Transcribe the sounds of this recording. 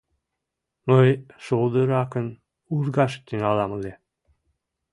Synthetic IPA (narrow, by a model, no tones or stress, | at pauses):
məjʃolˠd̪əɾɑkən | uɾɡɑʃt̪ːynɑlˠɑməle